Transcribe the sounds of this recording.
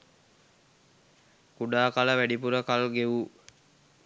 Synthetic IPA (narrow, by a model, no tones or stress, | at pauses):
kuɖaːkaləʋæɖipuɾəkalɡeʋu